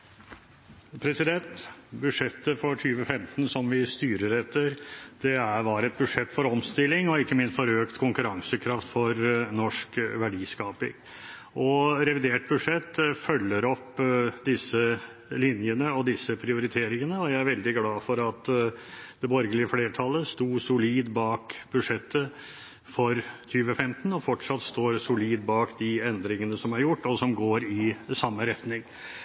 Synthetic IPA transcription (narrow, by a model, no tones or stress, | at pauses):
pʰɾɛsɪd̪ɛnt̪bʉd̪ʂɛt̪ːəfɔtʰyːʋəfɛmt̪n̩sɔmʋɪst̪yːɾəɾɛt̪ːəɾd̪̥ɛæʋɑːɾɛt̪̚bʉʂɛt̪ːfɔɾɔmst̪ɪlːɪŋɔɪkːəmɪnst̪fɔɾøːkt̪kʰʊŋkʉɾɑŋsəkʰɾɑft̪fɔɾnɔʂkʋæɖiːskɑːpɪ̰ŋ | ʔɔɾɛʋɪd̪eːʈ̚bʉʂɛt̪ːfœlːəɾɔpːd̪ɪsːə | lɪnjənəɔd̪ɪsːəpʰɾɪʊɾɪt̪ʰeːɾɪŋənəɔjæɪæɾʋɛld̪ɪɡlɑːfɔɾɑt̪ | d̪̥ɛbɔɾɡəlɪəfleːʈʰɑlːəst̪uːsʊliːd̪bɑːkbʉd̪ʂɛt̪ːə | fɔɾt̪ʰyːʋəfɛmt̪n̩ɔfɔʈʂɑt̪ːst̪oːɾsʊliːd̪̚bɑːkd̪ɪɛnd̪ɾɪŋənəsɔmæɾjʊʈːɔsɔmɡoːɾɪsɑmːəɾɛt̪nɪŋ